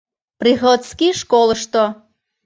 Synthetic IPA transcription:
prixot̪skiʃkolˠəʃt̪o

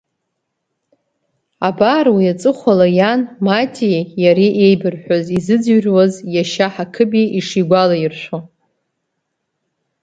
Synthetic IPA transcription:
abaɾwiat͡sʼɨχʷalajanmatʼijaɾiʔejbɨrħʷᶣozizɨd͡zɥrwazjaʃaħakʰɨbiiʂiɡʷalairʃʷo

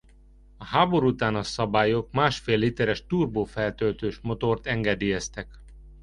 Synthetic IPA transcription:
ɒhaːbo̞ɾuut̪aːnɒsɒbaːjokmaːʃfeːlhit̪ɛɾɛʃt̪uːrboːfɛlt̪ølt̪øːʃmo̞t̪o̞rt̪ɛŋɡɛd̪ijɛst̪ɛk

